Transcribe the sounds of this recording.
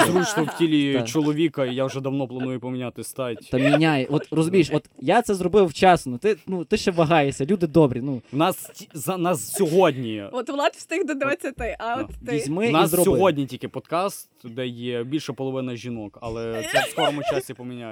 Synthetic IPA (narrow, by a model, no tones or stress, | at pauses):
d̪ɾut͡ʃt̪ɔwtʲilʲit͡ʃɔlˠɔʋʲikɐijaʒɛd̪ɐwnɔplˠɐnujʊpɔmʲinʲat̪ɪst̪ɑtʲt̪ɐmʲinʲajɛʔɔt̪rɔzʊmʲijʃɔt̪jat̪sɛzrɔbɪwt͡ʃɑsnʊt̪ɪnut̪ɪʃɛʋɐɦɑjesʲɐlʲud̪ɪd̪ɔbɾʲinuwnɑstʲiznɑssʲɔɦɔdʲnʲiɔt̪ʋlˠɑt̪ʲsʲt̪ɪxd̪ɔd̪eʋɐt͡sʲːɐt̪ɪʔɐɔʋ̪t̪ʲizʲmɪnɑiszɾɔsɔɦɔdʲnʲitʲikɪpɔd̪kɑst̪d̪ɛjɛbʲilʲʃɐpɔlˠɔʋɪnɐʒʲinɔkɐlˠɛsɛskɔɾɔmʊt͡ʃasʲipɔmʲinʲaj